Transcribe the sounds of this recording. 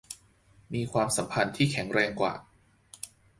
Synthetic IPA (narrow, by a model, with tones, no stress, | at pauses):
miː˧kʰwaː˧msa˩˦mpʰa˧nt̪ʰiː˥˩kʰɛ˩˦ŋɾɛː˧ŋkwa̰ː˨˩